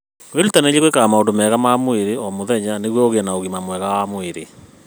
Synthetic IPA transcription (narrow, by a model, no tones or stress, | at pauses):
welutaneleɣwekaɣamaondomɛːɣamamweɾeɔmoðɛɲaneɣwɔoɣeɛnaoɣimamwɛɣawamweɾe